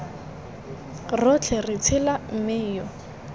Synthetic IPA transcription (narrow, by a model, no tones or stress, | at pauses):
rɔt͡ɬʰɛrɪt͡sʰɪlam̩mɪjɔ